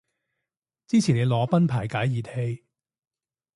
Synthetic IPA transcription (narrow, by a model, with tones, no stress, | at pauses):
t͡siː˥t͡sʰiː˨˩ne˨˧jlɔː˨˧pɐ˥npʰaː˨˩jkaː˨˥jjiː˨˧the˧j